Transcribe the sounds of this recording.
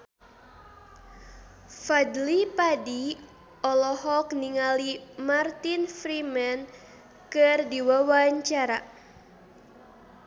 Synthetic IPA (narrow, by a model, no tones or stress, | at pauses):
fadlipadi | ʔɔlɔhɔkniŋalimart̪infɾimɛn | kɨrdiwawaɲt͡ʃaɾa